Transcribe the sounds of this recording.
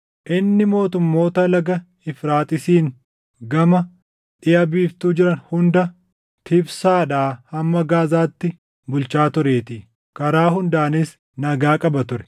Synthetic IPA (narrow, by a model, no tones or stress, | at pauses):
ʔɪnːɪmo̞ːt̪ʊmːo̞ːt̪ɐlɐɡɐ | ɪfɾaːt̪ʼɪsiːn | ɡɐmɐ | ᶑɪjɐbiːft̪uːd͡ʒɪɾɐnhʊnd̪ɐ | t̪ʰɪbsaːᶑaːhɐmːɐɡaːzaːt̪ːɪ | bʊlt͡ʃaːt̪ʊɾeːt̪i | kɐɾaːɦʊnd̪aːnɪs | nɐɡaːkʼɐbɐt̪ʊɾɛ̥